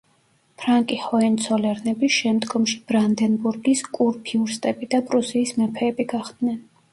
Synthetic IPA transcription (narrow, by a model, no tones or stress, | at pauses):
pʰɾaŋkʼiχɔɛnt̪sʰɔlɛɾnɛbiʃɛmd̪ɡɔmʃi̥bɾand̪ɛnbuɾɡiskʼuɾpʰiuɾst̪ʼɛbid̪apʼɾusiːsmɛpʰɛːbiɡaχd̪nɛn